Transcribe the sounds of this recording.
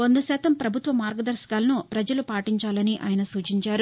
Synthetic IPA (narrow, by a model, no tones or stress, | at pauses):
ond̪ɐsɛːt̪ɐmpɾɐbʱut̪ʋɐmaːɾɡɐd̪ɐɾsɐɡaːlɐnupɾɐd͡ʒɐlupaːʈiɲt͡ʃaːlɐniʔa̰ːjɐnɐsuːt͡ʃiɲt͡ʃaːɾu